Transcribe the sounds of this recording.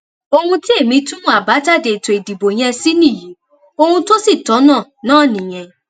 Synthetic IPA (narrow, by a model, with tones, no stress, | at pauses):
o˧hũ˧ti˦e˦˨mĩ˧tũ˦mũ˦a˨ba˨˦ta˦˨de˨to˨e˨di˨bo˨ɲ̃ɛ̃˧si˦nĩ˦˨jĩ˨˦ | o˦˧hũ˧to˦si˦˨tɔ˨˦nãː˦˨nãː˦˨nĩ˨j̃ɛ̃˧